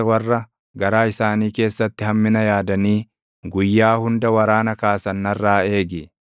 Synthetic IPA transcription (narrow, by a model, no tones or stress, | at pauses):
ɛwɐrːɐ | ɡɐɾaːɪsaːniːke̞ːsːɐt̪ːɪhɐmːɪnɐjaːd̪ɐniː | ɡʊjːaːhʊnd̪ɐwɐɾaːnɐkaːsɐnːɐrːaːe̞ːɡɪ